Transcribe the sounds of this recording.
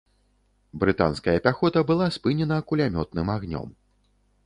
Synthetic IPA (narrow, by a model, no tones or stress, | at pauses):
bɾɨt̪a̰nskɐjɐpʲaxɔt̪ɐbɨlˠaspɨnʲɛnɐkulʲamʲɔt̪̚nɨmaɣnʲɔ̰m